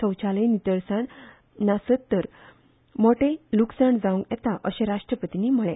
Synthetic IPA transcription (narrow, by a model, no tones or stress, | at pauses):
ə̃wt͡ɕalẽnit̪əɾsãɳ | nasət̪ːəɾ | moʈeluksaɳd͡zaũŋɡɛt̪aʔəɕẽɾaʂʈɾəpət̪iniːm̤əɭẽ